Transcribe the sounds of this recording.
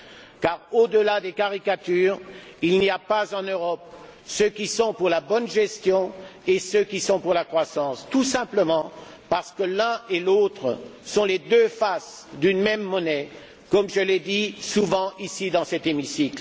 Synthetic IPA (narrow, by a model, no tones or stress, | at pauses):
kaʁod̪əlad̪ekaʁikat̪yːʁilniapazɑ̃nøʁɔp̚ | søkʲisɔ̃puʁlabɔnʒɛst̪jɔ̃esøkʲisɔ̃puʁlakχwasɑ̃st̪usɛ̃pləmɑ̃ | paʁsə̥kəlɛ̃elot̪χəsɔ̃led̪øfasd̪ynmɛmːɔnɛ | kɔmʒəled̪isuvɑ̃ʔisid̪ɑ̃sɛt̪emisikl